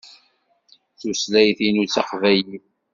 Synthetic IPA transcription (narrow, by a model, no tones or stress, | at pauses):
θuslæjθinut͡sːɑqvæji